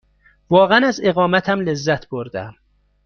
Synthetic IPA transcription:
vɒːɣænæze̞ɣɒːmæt̪ʰæmle̞zːæt̪ʰb̥oɾd̪æ̰m

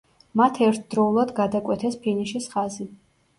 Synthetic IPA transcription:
mat̪ʰɛɾt̪ʰd̪ɾɔulˠad̪ɡad̪akʼwɛt̪ʰɛspʰiniʃisχazi

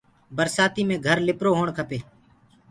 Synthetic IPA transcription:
bəɾsaːt̪iːmẽːɡʱəɾlɪpɾoːɦoːɳkʰəpeː

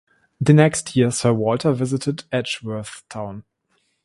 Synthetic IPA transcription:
ðənɛkstʰjisɜ˞wɔltʰə˞vɪzɪtʰədɛʃwɜ˞θtʰãʊ̃n

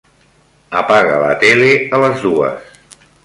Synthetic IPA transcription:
əpaɣələ̰t̪eleələzðuə̰s

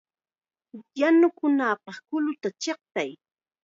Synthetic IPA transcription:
janʊkʊnaːpɑχkʊlʊt̪at͡ʃeχ̚t̪aj

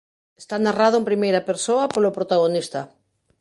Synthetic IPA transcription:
est̪anaraðʊempɾimejɾɐpeɾsoɐpolopɾot̪aɣ̞onist̪ɐ

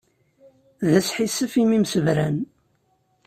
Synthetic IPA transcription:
ðæsħisəfimimsəvɾæn

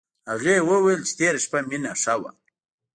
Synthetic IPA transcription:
haɣewəwajlt͡ʃɪ̥t̪eɾaʃpaminaʂawa̰

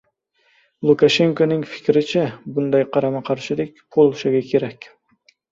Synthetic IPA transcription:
lˠukaʃeŋkonɪŋfɪ̥kʲɾɪt͡ʃʰɛbund̪ɑjqʰɑɾɑmɑqʰɑɾʃɪd̪ɪkʲpʰolˠʃɪɡʲɛkʲʰeɾɛkʲ

